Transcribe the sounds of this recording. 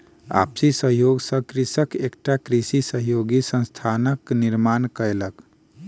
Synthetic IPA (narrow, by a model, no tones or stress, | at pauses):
a̰psisəɦjoɡsə̃kɾisəkekʈakɾisisəɦjoɡisə̃nst̪ʰanəkniɾmankəelək